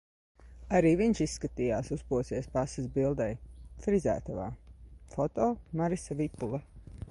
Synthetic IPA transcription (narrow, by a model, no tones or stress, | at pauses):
aɾiːviɲʃisːkat̪ijaːsuspuɔsiɛspasɨsbilˠd̪ajfɾizæ̰ːt̪ava̰ːfɔt̪ɔːmaɾisavipulˠa